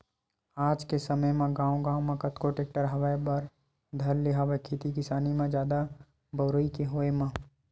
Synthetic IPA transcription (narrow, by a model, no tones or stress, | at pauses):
aːd͡ʒkesəməjmẽɡãːũɡãːwmẽkət̪koʈeːk̚ʈəɾɦəʋebəɾ | d̪ʱɐɾlɪɦaʋekʰiːt̪ikɪsaːnimẽd͡ʒjaːd̪a | bəʊɾəikeɦoːemã